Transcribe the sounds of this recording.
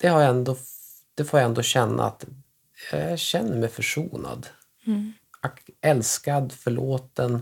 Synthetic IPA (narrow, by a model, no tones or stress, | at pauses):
d̪̥ɛhaɾjaɛnd̪o | d̪̥ɛfoːjaɛnd̪oːɕɛnːa̰at̪ | jɑ̰æɕɛnːəɾmɛjfœʂuːna̰d̪ | ɔkɛlskad̪fœɭoːt̪ən